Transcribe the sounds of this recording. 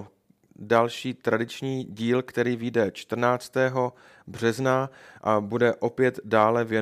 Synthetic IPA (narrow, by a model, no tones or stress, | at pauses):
dalʃiːt̪ɾadɪt͡ʃɲiːɟiːlkt̪ɛɾiːvijdɛt͡ʃt̪r̩naːt͡st̪ɛːɦo̞ | br̝̥ɛznaʔabudɛʔo̞pjɛt̪daːlɛvjɛ